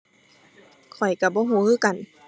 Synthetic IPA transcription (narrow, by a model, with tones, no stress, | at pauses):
kʰɔ˨˩jka˧˩bɔː˧˦ɦuː˧˦hɯː˧˥˨ka˨n